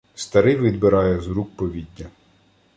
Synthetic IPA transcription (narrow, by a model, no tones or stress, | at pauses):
st̪ɐɾɪjʋʲid̪bɪɾɑjɛzɾuk̚pɔʋʲidʲːɐ